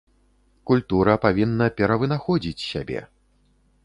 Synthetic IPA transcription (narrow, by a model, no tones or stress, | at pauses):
kulʲt̪uɾɐpavʲinːɐpʲɛɾɐvɨnaxɔd͡zʲit͡sʲsʲa̰bʲɛ̰